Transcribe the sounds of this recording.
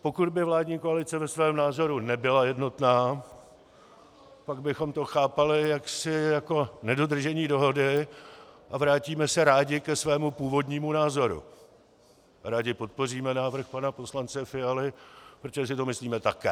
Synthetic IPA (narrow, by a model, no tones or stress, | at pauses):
po̞kud̪bɪvlaːdɲiːko̞alɪt͡sɛvɛsvɛːmnaːzo̞ɾunɛbɪlajɛdno̞t̪naː | paɡ̚bɪxo̞mt̪o̞xaːpalɪjaksɪjako̞nɛdo̞d̪r̩ʒɛɲiːdo̞ɦo̞dɪ | ʔavɾaːciːmɛsɛɾaːɟɪkɛsvɛːmupuːvo̞dɲiːmunaːzo̞ɾṵ | ɾaːɟɪpo̞t̪̚po̞riːmɛnaːvr̩xpanapo̞slant͡sɛfɪalɪpɾot̪oʒɛs̬ɪt̪o̞mɪsliːmɛt̪akɛː